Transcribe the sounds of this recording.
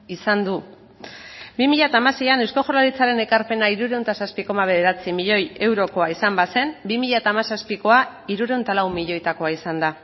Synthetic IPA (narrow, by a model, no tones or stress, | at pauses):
isand̪u | bimiʎat̪aːmase̞janewsko̞ʝoɾlaɾit͡saɾe̞nekaɾpe̞naiɾuɾe̞wnt̪asaspiko̞maβ̞e̞ð̞e̞ɾat͡simiʎo̞je̞wɾo̞ko̞aisambase̞mbimiʎat̪aːmasaspiko̞a | iɾuɾe̞wnt̪alawmiʎo̞jt̪ako̞aisand̪a